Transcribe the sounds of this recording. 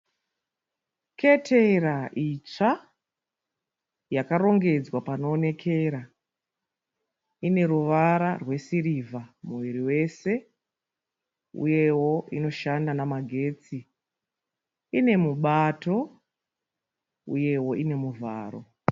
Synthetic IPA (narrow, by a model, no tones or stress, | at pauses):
kʰe̞tʰe̞raʔit͡ʂa | jakaɾo̞ŋɡe̞d͡zwapanoːne̞kʰe̞ɾa | ine̞ɾuʋaɾarwe̞siɾivʱamuʋiɾiwe̞se̞ | ṵje̞wo̞ino̞ʃandanamaɡʱe̞ːt͡si | ine̞muɓato̞ | ṵje̞wo̞ʔine̞muvʱa̰ːro̞̰